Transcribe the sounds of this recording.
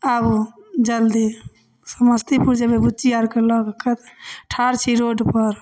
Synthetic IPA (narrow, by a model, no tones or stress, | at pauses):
abd͡ʒəld̪i | səməst̪ipuɾd͡ʒebebut͡ʃiaɾkeləɡkət̪ʈʰaɾt͡ʃʰiɾoɖpəɾ